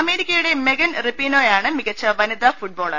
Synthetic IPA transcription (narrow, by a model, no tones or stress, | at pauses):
ɐme̞ːɾikʲːɐjuɽe̞meɡɐnripːinoːjaːɳɨmiɣɐt͡ɕːɐʋɐnid̪ɐfuʈ̚bo̞ːɭɐ̰